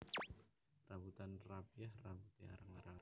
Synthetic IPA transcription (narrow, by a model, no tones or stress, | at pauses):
raβut̪anrabiahrawut̪ia̰ɾaŋaɾa